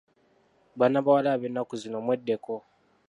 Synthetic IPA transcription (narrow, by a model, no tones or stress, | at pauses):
βanaβawalaβenakuzinomwedːeko